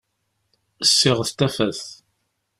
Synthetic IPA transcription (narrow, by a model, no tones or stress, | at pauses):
əsːɪʁθt̪æfæθ